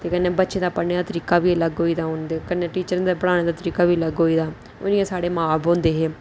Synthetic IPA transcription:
t̪eːkənːẽːbətːʃẽːd̪aːpəneːd̪aːt̪əɾiːkaːʋiːləɡɦoːiːd̪aːʊnd̪ekənːeːʈiːt͡ʃəɾd̪aːpəɽaːɽ̃eːd̪aːt̪əɾiːkaːʋiːləɡɦoːiːd̪aː | ʊnĩãːsaːɽeːmaːbɦõːnd̪eːɦeː

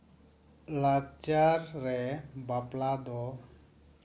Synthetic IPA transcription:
lakt͡ʃaɾːɛbaplad̪ɔ

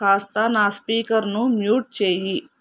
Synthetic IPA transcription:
aːst̪aːnaːspiːkəɾnũmjuːʈ̚t͡ʃeːi

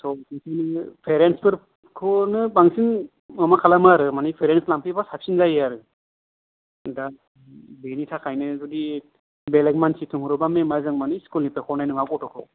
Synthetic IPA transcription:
sɔsɯŋsʰajnɯpʰeɾenspɯɾ | kʰɔnɯbaŋsin | amakʰalamaɾɯmanipʰeɾenslampʰibasap̚sinzajaɾɯ | da | benitʰakʰajnɯzɔdi | beleɡmansʰitʰuŋɾɔbamemazɯŋmaniskulnipekʰɔnajnɯmakɔtʰɔkʰɔ̰

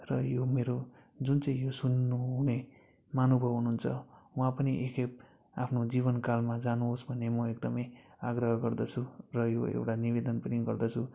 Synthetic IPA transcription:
rʌjomeɾod͡zunt͡sʌ̃ĩjosunːuɦune | manobʱʌbɦunuunt͡sʰʌwãpʌniʔekʰep̚ | a̰pʰnod͡ziβʌnkalmad͡zanuɦosbʱʌnːemʌekd̪ʌmʌjaɡɾʌɦʌɡʌrd̪ʌt͡sʰurʌjoḛwʈaniβed̪ʌnpʌniɡʌrd̪ʌt͡sʰu

